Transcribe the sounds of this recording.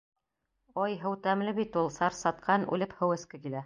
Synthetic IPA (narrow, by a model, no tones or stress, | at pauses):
ɒjɦɤ̆wt̪æmlɘβit̪ulˠsɑɾsɑt̪̚qʰɑnʉ̰lɘphɤ̆wɘ̆skɘkilæ